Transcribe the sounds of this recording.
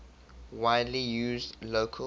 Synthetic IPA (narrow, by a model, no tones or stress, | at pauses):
waɪdlijuːzdloːkʰə